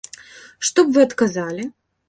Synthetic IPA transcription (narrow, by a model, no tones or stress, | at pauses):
ʂt̪ɔpvɨɐt̪kazalʲi